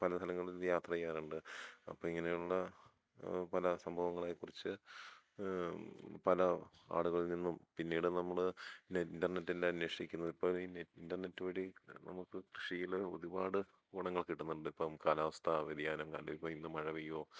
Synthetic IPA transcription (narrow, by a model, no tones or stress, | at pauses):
pɐlɐst̪ʰɐlɐŋːɐɭinjaːt̪rɐjaːnuɳɖɨɐ̰pːoːiŋːɐnejuɭːɐ | pɐlɐsɐmbʱɐʋɐŋːɐɭaːjikːurit͡ɕːɨ | pɐlɐa̰ːɽuɣɐɭilninːumpinːiːɽɨnɐmːɐɭnindɐrnetːelːanweːʂikʲːunːɐðipːoːlinindɐrnetːuʋɐɽinɐ̰mukːɨkrɨʂijiloðubaːɽɨ | kuɽɐŋːɐɭkiʈːunːuɳɖɨipːomkaːlaːʋɐst̪ʰɐʋeðijaːnɐmka̰ːnlɐipːoːinːumɐɻɐʋijoː